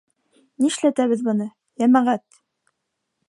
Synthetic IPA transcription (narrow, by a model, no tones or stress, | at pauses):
niʃlæt̪æβɘðbɤ̆nɤ | jæmæʁæt̪